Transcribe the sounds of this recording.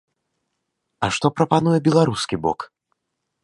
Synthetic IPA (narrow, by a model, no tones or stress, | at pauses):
ɐʂt̪ɔpɾɐpan̪ujɛbʲɛlˠaɾuskʲibɔ̰k